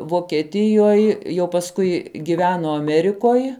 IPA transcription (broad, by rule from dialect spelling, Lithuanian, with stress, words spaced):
ʋoːkʲɛˈtʲɪjoːj jɛʊ pɐsˈkʊɪ ɡʲɪˈʋʲæːnoː ɐˈmʲæːrʲɪkoːj